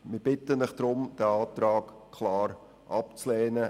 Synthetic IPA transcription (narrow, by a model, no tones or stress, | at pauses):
mɪb̥ɪtənɪχd̥ɾʊmd̥ɛɑːt̪ɾɑːkkʰlaːɾ | ʔɑpt͡slɛːnə